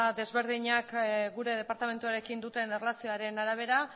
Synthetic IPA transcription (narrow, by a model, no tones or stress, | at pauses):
d̪e̞zβe̞ɾðiɲakɡuɾe̞ð̞e̞paɾt̪ame̞nt̪uaɾe̞kind̪ut̪e̞nerlasio̞aɾe̞naɾaβ̞e̞ɾa